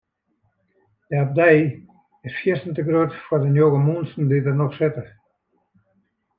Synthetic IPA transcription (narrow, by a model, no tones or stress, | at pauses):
dəap̚dɛj | ɪsfjiəstn̩təɡroətfʊːrdənjoɣəmunsn̩didənɔχsɪtə